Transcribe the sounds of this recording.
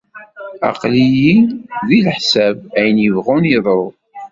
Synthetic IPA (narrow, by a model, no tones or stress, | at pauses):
ɑ̰qlijiðilħsæbæjənjəvʁunjəðˤɾˤo